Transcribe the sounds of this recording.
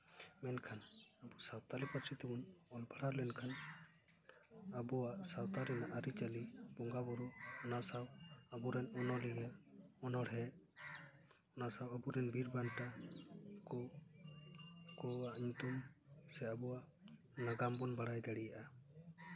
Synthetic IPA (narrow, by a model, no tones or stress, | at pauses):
mɛnkʰanabusawt̪alipɔt̪sit̪ɔbɔnɔlbʰʱaɽaɾlɛnkʰan | abɔwaʔsawt̪aɾɛnaʔaɾit͡ʃalibɔŋɡabɔɾɔɔnasawabuɾɛnɔnɔliɡɛɔnɔɽɦɛ | ɔnasawabuɾɛnbʱiɾbanʈa | kɔ | kɔaʔɲut̪umsɛabɔaʔ | naɡambɔnbaɽajd̪ɛɽijaʔa